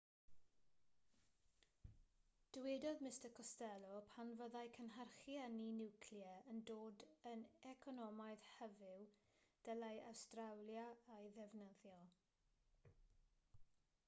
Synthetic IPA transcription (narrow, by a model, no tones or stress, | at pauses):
d̥wedɔðmɪstəkʰɔstɛlˠɔpʰanvəðajkʰənɦarχjaninɪwkʰljɛəndoːdənɛkʰɔnɔmajð̥hɛvɪwd̥əlajawstrawlˠjaajðɛvnəðjɔ